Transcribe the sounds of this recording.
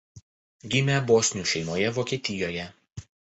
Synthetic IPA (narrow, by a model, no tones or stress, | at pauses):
ɡʲɪmʲɛboːsʲnʲuːˑʃʲɛɪmoːjɛʋoːkʲiɛt̪ʲɪjoːjɛ